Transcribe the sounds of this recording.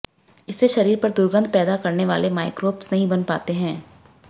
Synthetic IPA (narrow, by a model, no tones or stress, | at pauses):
ɪsːeʃɐɾiːɾpɐɾd̪ʊɾɡə̃nd̪̚pɛːd̪akɐɾneʋaːlemaːɪkɾoːpsnɐɦĩbɐnpa̰ːt̪eɦɛ̃ː